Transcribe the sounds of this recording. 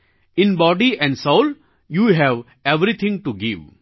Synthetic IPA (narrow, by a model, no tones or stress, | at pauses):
ɪ̃nbɔːɖiɛ̃ɳɖsoːl | juɦɛʋ | eʋɾit̪ʰɪ̃ŋɡʈuɡiʋ